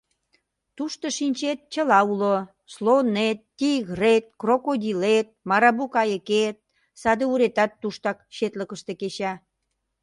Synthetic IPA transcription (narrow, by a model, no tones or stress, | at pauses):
t̪uʃt̪oʃinʲt͡ɕet̪̚t͡ɕəlɑulo | slonet̪ːiɣret̪̚krokod̪ʲilet̪̚mɑɾɑbukɑjəket̪̚ | sɑd̪euɾet̪ɑt̪ːuʃt̪ɑkʃet̪ləkəʃt̪ekeɕɑ